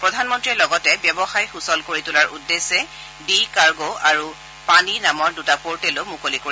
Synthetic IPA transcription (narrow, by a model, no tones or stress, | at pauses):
pɹɔdʱanmɔntɹiɛlɔɡɔtɛbjɔbɔxajxusɔlkoɹitʊlaɹʔudːesːɛ | dikaɹɡoaɹu | paninamɔɹdutapoɹtɛlomukolikoɹi